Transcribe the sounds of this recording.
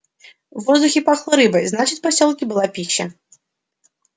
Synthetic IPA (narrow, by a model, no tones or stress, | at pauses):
vɔzd̪uxʲipaxlˠɐɾɨbɐjznat͡ʃɨt͡sʲpasʲɔlˠkʲibɨlˠapʲiɕːɛ